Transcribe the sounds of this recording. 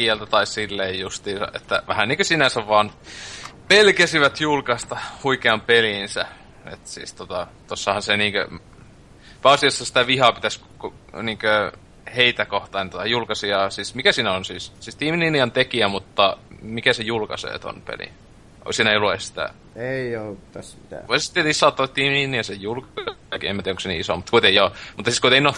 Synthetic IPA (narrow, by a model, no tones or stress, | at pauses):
iælt̪æt̪ɑissilːeijust̪iːsɑ̰ʔḛt̪ːæ̰ʋæhænniːŋkøsinæsæʋʋɑːn | pelkæsiʋæt̪julkɑst̪ɑhuikeɑmpelinsæ | ḛt̪sḭːst̪ot̪ɑt̪osːɑhɑnseniːŋkø̰ | pæɑsiɑsːɑsi̥t̪æʋihɑpit̪æskko | niːŋkø | heit̪ækoht̪ɑint̪ot̪ɑjulkɑsiɑsismikæsiːnæonsiːssist̪iːmininiɑnt̪ekiæmut̪ːɑmikæsejulkɑ̰sḛːt̪o̰npḛlḭ | ʔo̰siːnæluessi̥t̪æ̰ | eiot̪ːɑsit̪æ̰oˑisst̪iet̪isːɑˑot̪ːɑt̪t̪iːmininiɑsejjulkkiḛmæt̪iæˑoksenḭiso̰mut̪ːkuit̪ejomut̪ːɑsiskuit̪eno